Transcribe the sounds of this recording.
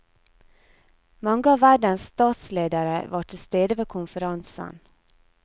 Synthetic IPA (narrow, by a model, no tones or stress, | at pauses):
mɑŋɡəɑːʋæɖənst̪ɑːt̪sleːd̪əɾəʋɑːʈʰɪlst̪eːd̪əʋeːkʰʊnfəɾɑnsə̰n